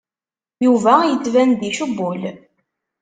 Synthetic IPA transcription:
juvæjət͡sːvænd̪iʃubːʊl

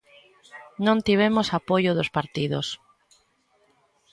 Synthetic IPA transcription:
nõnt̪iβ̞emosapojoðospaɾt̪iðos

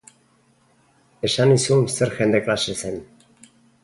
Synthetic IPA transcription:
eʃanisumseɾxend̪eklaʃesen

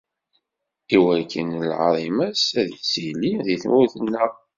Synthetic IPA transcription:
iwækːə̰nlʕɾˤimæsæðsiliðiθnʊɾθənːə

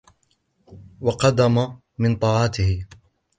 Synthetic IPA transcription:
wɑqɑd̪ama | mɪnt̪ˤɑːʕɑt̪ɪhɪ

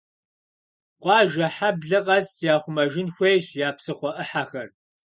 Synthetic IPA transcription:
qʷɑːʒɐħabɮɨqɐzjaːχʷʊmɐʒɪnxʷejɕjaːpsɨχʷɔʔɨħaxɐr

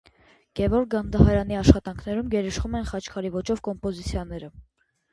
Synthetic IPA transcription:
ɡ̥ɛvɔɾk̚ɡɑnd̪ɑɦɑɾɑniɑʃχɑt̪ɑŋkʰnɛɾumɡɛɾəʃχumɛnχɑt͡ʃʰkʰɑɾivɔt͡ʃɔvkɔmpɔzit͡sʰjɑnɛɾə

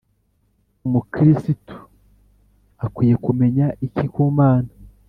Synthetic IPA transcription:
umukiɾisitu̥ | akwiːje̞kume̞ɲaʔicikuːmaːna

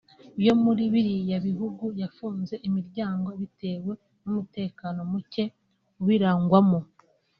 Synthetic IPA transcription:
jo̞muɾiβiɾijaβiɦuɡujafuːnze̞ʔimiɾɟaːŋɡo̞βite̞ːwe̞ | numute̞ːkano̞muce̞ | uwiɾaːŋɡwamo

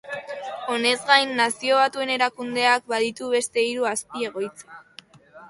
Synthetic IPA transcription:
o̞ne̞zɡajnːasio̞βat̪ue̞ne̞ɾakund̪e̞ak̚baðit̪uβe̞st̪e̞iɾuaspie̞ɣ̞o̞jt͡se̥

